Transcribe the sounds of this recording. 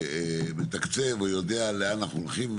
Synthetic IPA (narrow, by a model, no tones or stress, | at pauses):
bet̪akt͡sevojo̞d̪ealeanaχnuolχim